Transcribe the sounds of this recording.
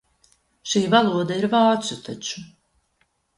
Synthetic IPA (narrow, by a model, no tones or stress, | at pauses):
ʃiːvalˠuɔd̪aiɾvaːt̪sut̪ʰat͡ʃu̥